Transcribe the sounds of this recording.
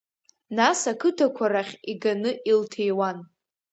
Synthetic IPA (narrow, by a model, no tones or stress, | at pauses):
nasakʰɨtʰakʷʰaɾaχʲiɡanɨʔiltʰejwan